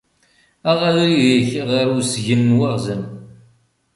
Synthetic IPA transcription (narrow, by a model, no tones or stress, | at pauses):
æʁæðɾiðiçʁəɾusʝənːwaʁzəm